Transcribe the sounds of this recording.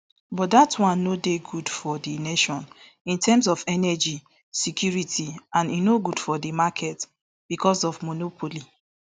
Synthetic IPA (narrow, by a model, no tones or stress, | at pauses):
bɔt̚datwãnːodeɡudfɔdineʃɔ̃n | ĩntʰɛms̬ɔfɛnɛd͡ʒi | sikʰjuɹitʰiãninoɡud̥fɔdimakʰɛt | b̥ikɔsɔvmonopʰoli